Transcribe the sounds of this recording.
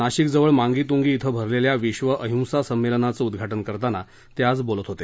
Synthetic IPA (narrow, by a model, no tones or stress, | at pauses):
aɕikd͡zəʋəɭmaŋɡiːt̪̬uŋɡiːt̪ʰəbʱəɾleljaʋiɕʋəʔəɦũw̃sasəmːelənat͡səud̪ɡʱaʈənkəɾt̪ana | t̪jad͡zbolət̪ɦot̪e